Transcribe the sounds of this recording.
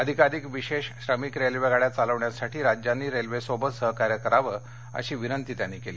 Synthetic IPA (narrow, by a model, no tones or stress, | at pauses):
əd̪ʱikaɾiːkʋiɕeɕɕɾəmiːkɾelʋeɡʱaɭjat͡saləʋɳjasaʈʰiːɾad͡ʑjanːiːɾelʋesobəsəɦkaɾjəkəɾaʋə | ə̰ɕiːʋinənt̪iːt̪janːikeliː